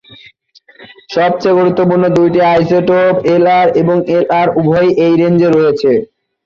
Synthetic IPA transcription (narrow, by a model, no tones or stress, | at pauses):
ʃɔb̚t͡ɕejɡuɾut̪ːopuɾnod̪ujʈiajseʈopelaɾeboŋelaɾubʱojʔejɾend͡ʑeɾːojet͡ɕʰe